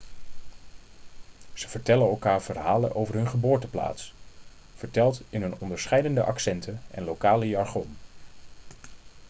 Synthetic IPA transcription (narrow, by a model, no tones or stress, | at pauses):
z̥əv̥əɹtɛlənɛlˠkaːɹv̥əɹɦaːlə̰nʔowvəɹɦɵnχəboːɹtəpla̰ːts | v̥əɹtɛlˠtɪnɦɵnɔndəɹsχɛjdəndəʔɑksɛntʰənɛ̰nlowkaːləjɑɹχom